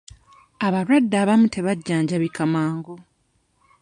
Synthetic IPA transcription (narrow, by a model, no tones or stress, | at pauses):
aβaɾwadːaːβamutʰe̞βaɟːaːɲɟaβikamaːŋɡo